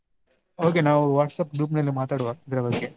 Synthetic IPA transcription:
oːkenaːʋuʋaːʈsɐpɡɾuːp̬nɐlːimaːt̪aːɽʋaid̪ɾɐbɐɡe

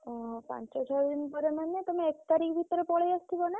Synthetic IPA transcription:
ɔ̃pã̰nt͡ʃet͡ʃʰɔd̪inpɔɾemanet̪omeekt̪aɾikbʱit̪ɔɾepɔɭejast̪ʰibona

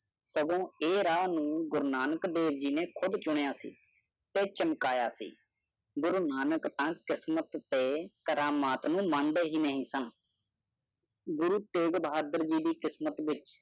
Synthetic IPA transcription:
səɡõːeːɾaːnũːɡʊɾnaːnəkd̪eːʋd͡ʒiːneːkʰʊd̪t͡ʃʊɳ̃ejaːsḭː | t̪eːt͡ʃəmkaːja̰ːsḭː | ɡʊɾnaːnəkt̪ãːkɪsmət̪ːeːkəɾaːmaːt̪nũːmə̃nd̪eːɦiːnəɦĩːsən | ɡʊɾuːt̪eːɡbɦaːd̪əɾd͡ʒiːd̪iːkɪsmət̪ʋɪt͡ʃ

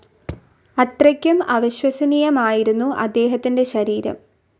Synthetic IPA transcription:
ɐt̪rɐkʲːumɐʋɐɕwɐsɐnijɐmaːjiɾunːuʔɐ̰d̪ːe̞ːɦɐt̪ːinde̞ɕɐɾiːɾɐ̰m

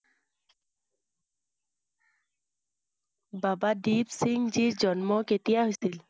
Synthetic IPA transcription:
babadibsiŋɡd͡ʒiɹd͡ʒɔnmɔketijaɦojsil

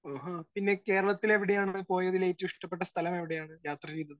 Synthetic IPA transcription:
aːɦapinːe̞ke̞ːɾɐɭɐt̪ːile̞ʋiɽejaːɳpo̞ːjɐðileːt̪ːuiʂʈɐpːe̞ʈːɐst̪ʰɐlɐme̞ʋiɽejaːɳɨjaːt̪rɐt͡ɕejt̪ːɐðɨ

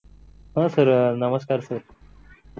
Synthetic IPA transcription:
ɦə̃səɾnəməskaːɾsəɾ

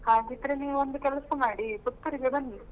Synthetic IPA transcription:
haːɡit̪ɾeniond̪ukɛlsɐmaːɽibut̪ːɐɾiɡebɐnd̪i

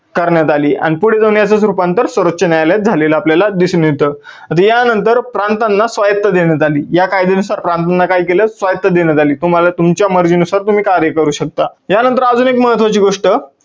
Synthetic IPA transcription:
kəɾɳjat̪aliːa̰ɽ̃ipuɽ̤ed͡z̪ənjat͡sasɾupãnt̪əɾsʋəɾət̪ɕənjajljat̪̚d͡zʱaleləapljalad̪isuːnjet̪əː | ət̪əjanənt̪əɾpɾant̪anːasʋajət̪ːəd̪eɳjat̪aliːjakajd̪enusaɾpɾant̪anːakajikeləsʋajət̪ːəd̪enjat̪aliːt̪um̤alat̪umt͡ɕjaməɾd͡ʑinusaɾt̪um̤iːkaɾjəkəɾuːɕək̚t̪ajanənt̪̬əɾad͡zunekməɦət̪ʰʋat͡ɕiːɡoʂʈə

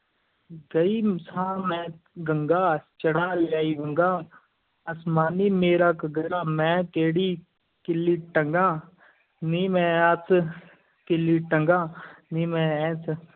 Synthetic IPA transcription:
ɡɐisãːmɛ̃ɡɐŋɡaːt͡ʃɐɽaːljaːiɡɐŋɡaː | ɐsmaːnimeːɾaːkɐɡɐɾaːmɛ̃ːk̪eːɽiː | kɪlːiːʈɐŋɡãː | niːmɛ̃ːat͡s | kiliʈɐŋɡaːniːmɛ̃ɛːt͡sʰ

